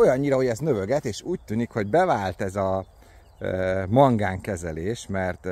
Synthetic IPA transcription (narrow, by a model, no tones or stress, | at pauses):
o̞jɒɲːiɾɒɦo̞ɟɛznø̞vøɡɛt̪eːʃuːc̚t̪yːnikho̞ɟbɛvaːlt̪ɛzɒ | mɒŋɡaːŋkɛzɛleːʃmɛrt̪